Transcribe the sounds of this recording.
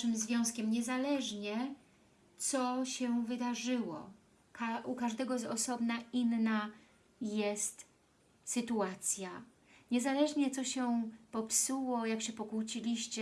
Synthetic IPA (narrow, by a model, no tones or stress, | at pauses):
ʂɘmzvʲjɔ̃w̃skʲɛmɲɛzalɛʐɲɛ | t̪sɔɕɛvɘd̪aʐɘwɔ̰ | kaʔukaʐd̪ɛɡɔzɔsɔbnaʔinːa | jɛst̪ | sɘt̪uat̪sʲja | ɲɛzalɛʐɲɛt̪sɔɕɛpɔpsuwɔjakɕɛpɔkut͡ɕilʲiɕt͡ɕɛ